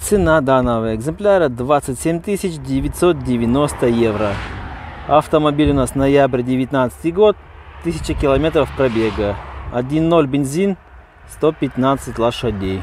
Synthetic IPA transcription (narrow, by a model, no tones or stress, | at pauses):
t̪sɨnad̪anəvəjəɛɡzɨmplʲaɾəd̪vat̪sɨtʲsʲemʲt̪ɨsʲɪt͡ɕdʲɪvʲɪtʲsot̪̚dʲɪvʲɪnost̪əjevɾə | ɐft̪əmɐbʲilʲʊnasnɐjabɾʲɪdʲɪvʲɪt̪ʲnat̪sɨ̥t̪ʲɨɡo̞t̪ | t̪ːɨsʲɪ̥t͡ɕəkʲɪlˠɐmʲet̪ɾəfpɾɐbʲeɡəɐdʲinːolʲbʲɪnʲzʲin | st̪opʲɪt̪nat̪sɨtʲlˠɐʂɐdʲej